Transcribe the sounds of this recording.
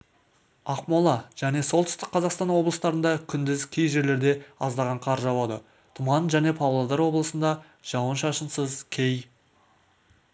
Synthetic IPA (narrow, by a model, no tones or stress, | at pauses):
ɑqmolˠɑʒ̥æne̞so̞lˠt̪ʰʏst̪ɪk̚qʰːɑzɑqst̪ɑnwo̞blˠəst̪ɑɾənd̪ɑkʲʰʏnd̪ɪzkʲʰejʒe̞ɾle̞ɾd̪e̞ɑzd̪ɑʁɑɴqʰɑɾʒɑwɑd̪ə̰ | t̪ʰʊmɑnʒæne̞pʰɑwlˠɑd̪ɑɾwo̞blˠəsənd̪ɑ | ʒ̥ɑwənʃɑʃənsəzkʲʰe̞j